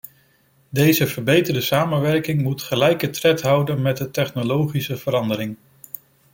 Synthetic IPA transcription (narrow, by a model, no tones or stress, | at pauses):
dejzəvəɹbejtəɹdəsaːmənʋɛɹkɪŋmutχəlɛjkətrɛtɦʌwdənmɛt̚dətɛχnolowχisəv̥əɾɑndəɾɪŋ